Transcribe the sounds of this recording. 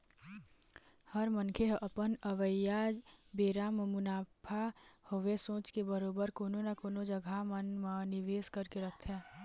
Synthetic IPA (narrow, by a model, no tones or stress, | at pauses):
həɾmənkʰeɦəʔəpənəʋəjad͡ʒbeːɾammʊnaːpʰahowesõːt͡ʃkebəɾoːbəɾkoːnonakoːnod͡ʒəɡʱamənmənɪʋeːskəɾkeɾəkʰt̪ʰɦɛ̃ː